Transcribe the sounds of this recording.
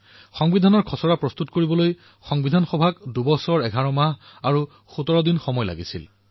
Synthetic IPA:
xɔŋbidʱanɔɹkʰɔsɔɹapɹɔst̪utkoɹibɔloj | xɔŋbidʱanxɔbʱakdubɔsɔɹɛɡʱaɹɔmaɦaɹu | xutɔɹɔdinxɔmɔjla̰ɡisḭl

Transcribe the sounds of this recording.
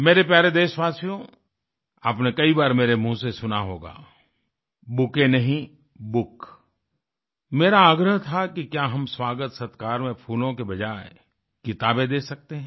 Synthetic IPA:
meːɾep̬jaːɾed̪eːʃʋaːsijõ | aːpnekɐibaːɾmeːɾem̤ũːsesʊnaɦoːɡa̰ː | bʊkenɐɦĩ | bʊk | meːɾaːɡɾəɦt̪ʰakikjaːɦɐmswaːɡət̪sɐt̪kaːɾmẽpʰuːlõkebɐd͡ʒaːe | kɪt̪aːbed̪eːsɐk̚t̪eɦɛ̃

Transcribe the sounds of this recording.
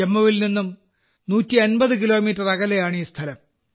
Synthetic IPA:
emːɐʋilninːum | nuːtːienbɐðɨkilo̞ːmiːtːɐrɐɣɐlejaːɳiːst̪ʰɐlɐm

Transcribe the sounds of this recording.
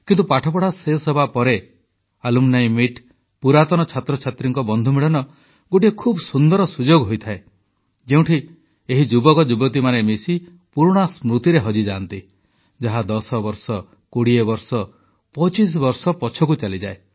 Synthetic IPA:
kint̪̬upaʈʰɔpɔɽasesɔbʱapɔɾe | alumnaj̃miʈ | puɾat̪ɔñɔt͡ʃʰat̪ɾɔt͡ʃʰat̪ɾiŋkɔbɔnd̪ʱumiɽɔnɔ | ɡoʈiekʰubsund̪ɔɾɔsud͡ʒoɡɦojt̪ʰae | d͡ʒeũʈʰi | eɦid͡ʒubɔkɔd͡ʒubɔt̪̬imanemisi | puɾɽ̃asmɾut̪iɾeɦɔd͡ʒid͡ʒaːnt̪i | d͡ʒaɦad̪ɔsɔbɔɾsɔ | koɽiebɔɾsɔ | pɔt͡ʃis̬bɔɾsɔpɔt͡ʃʰɔkut͡ʃalid͡ʒae

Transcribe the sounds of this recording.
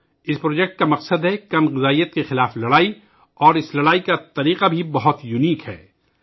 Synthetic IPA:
ɪspɾoːd͡ʒɛk̚ʈ̚kamɐqsəd̪ɦɛkɐmɣɪzaːijət̪kexɪlaːflɐɽaːi | ɔːɾɪslɐɽaːikat̪ɐɾiːqabʱibɐɦʊt̪jʊniːkɦɛ̰ː

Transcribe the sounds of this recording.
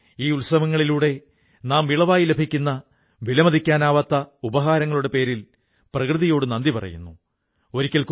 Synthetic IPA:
iːulsɐmɐŋːɐɭiluːɽe̞ | naːmʋiɭɐʋaːjile̞bʱikʲːunːɐ | ʋilɐmɐd̪ʱikʲːaːnaːʋɐt̪ːɐubɐɦaːɾɐŋːɐɭuɽe̞pe̞ːɾil | prɐkrɨðijo̞ːɽɨnɐnd̪ipɐrɐ̰jṵnːu | o̞ɾikʲːɐɭk

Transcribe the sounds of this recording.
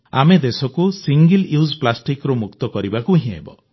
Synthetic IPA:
a̰med̪esɔkusiŋɡiluzplasʈikɾumukt̪ɔkɔɾibakuɦĩḛbɔ̰

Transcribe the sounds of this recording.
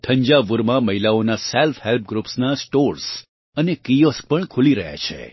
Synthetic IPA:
ʈʰə̃ɲd͡ʒaʋuɾmãməɦilaonaselfhelp̚ɡɾupsnasʈoɾs | ənekijosk̚pəɳkʰuliɾəɦja̰t͡ʃʰḛ

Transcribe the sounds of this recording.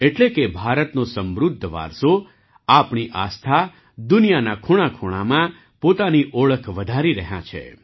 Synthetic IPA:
eʈlekebʱaɾət̪nosəmɾʊd̪ʱːəʋa̰ɾso | apɳiʔast̪ʰa | d̪ʊnijanakʰuɭ̃akʰuɽ̃amã | pot̪aniʔoɭəkʰʋəd̪ʱaɾiɾəɦjã̰t͡ʃʰḛ

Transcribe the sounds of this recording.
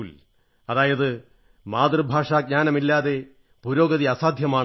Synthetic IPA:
l | ɐðaːjɐðɨ | maːd̪rɨbʱaːʂaːɡ̚ɲaːnɐmilːaːðe̞ | puɾo̞ːɡɐðiɐsaːd̪ʱjɐmaː

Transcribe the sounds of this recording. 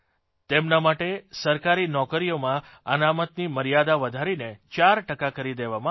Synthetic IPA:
t̪emnamaʈesəɾkaɾinɔkəɾijomã | ənamət̪niməɾijad̪aʋəd̪ʱaɾinet͡ʃaɾʈəkakəɾid̪eʋamã

